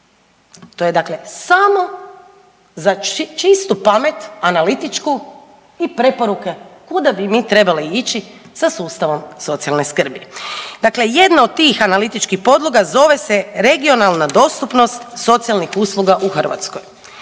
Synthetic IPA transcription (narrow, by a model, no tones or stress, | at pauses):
t̪oje̞d̪akle̞samo̞ | zat͡ʃist̪upame̞t̪analit̪it͡ʃku | ipɾe̞po̞ɾukekud̪abimit̪ɾe̞baliit͡ʃi | sasuːst̪aʋo̞mso̞t̪sijalne̞skr̩bid̪̥akle̞je̞d̪naod̪̚t̪ːiːxanalit̪it͡ʃkixpo̞d̪lˠoɡazo̞ʋe̞se̞ɾe̞ɡio̞nalˠnad̪o̞st̪upno̞st̪so̞t̪sijalnixuːslˠuɡaʔuxrʋa̰t̪skoj